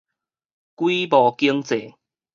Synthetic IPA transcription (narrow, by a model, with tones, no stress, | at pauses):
kwi˦bɔ˨˩ki˦əŋt͡se˨˦